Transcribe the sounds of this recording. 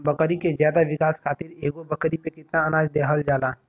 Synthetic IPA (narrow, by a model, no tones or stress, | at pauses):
bɐkəɾikezjaːd̪aʋɪkaːskʰaːt̪ɪɾeːɡobəkɾipekɪt̪naənaːd͡ʒd̪eːɦəld͡ʒaːlaː